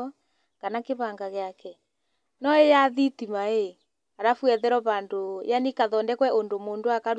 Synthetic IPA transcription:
ɔ | kanakeβaŋɡaɣeakɛ | nɔejaðitimae | aɾafwɛðɛɾɔβandojanikaðɔndɛkwɛʔondomondoakaɾ

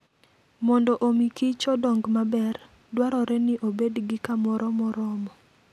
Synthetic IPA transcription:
mɔndɔʔomikit͡ʃɔdɔŋɡmabɛr | dwaɾɔɾɛnɪʔobedɡɪkamɔɾɔmɔɾɔmɔ

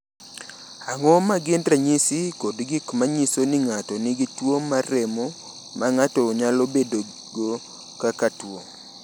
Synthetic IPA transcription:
aŋɔmaɡɪndraɲisɪkodɡikmaɲisonɪŋatɔnɪɡitwomaɾɛmɔ | maŋatɔɲalobedo | ɡo | kakatwoŋ

